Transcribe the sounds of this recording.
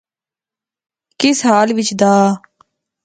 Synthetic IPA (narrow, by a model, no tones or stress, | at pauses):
kɪsɦaːlʋɪt͡ʃd̪aː